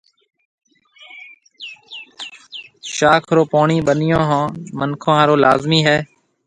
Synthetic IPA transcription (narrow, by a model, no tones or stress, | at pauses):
ʃaːkʰɾoːpaːɳiːɓənɪjõːɦãːmənkʰõːaːɾoːlaːzmiːɦɛː